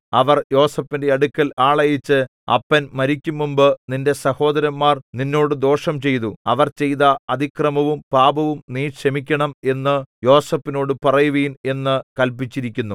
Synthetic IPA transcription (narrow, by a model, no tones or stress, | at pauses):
ɐʋɐrjo̞ːsɐpːindeɐɽukːɐlaːɭɐjit͡ɕːɨ | ɐ̰pːɐnmɐɾikʲːumːumbɨninde̞sɐho̞ːd̪ɐɾɐmːaːrninːo̞ːɽɨd̪o̞ːʂɐmt͡ɕe̞jt̪̬uɐʋɐrt͡ɕe̞jðɐɐd̪ikrɐmɐʋumpaːbɐʋumniːʂɐmikʲːɐɳɐme̞nːɨjo̞ːsɐpːino̞ːɽɨpɐrɐjuʋiːne̞nːɨkɐlpit͡ɕːiɾikʲːunːu